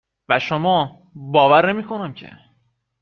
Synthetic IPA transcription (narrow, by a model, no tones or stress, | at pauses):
væʃomɒː | bɒːvæɾne̞miːkʰo̞næmcʰe̞̰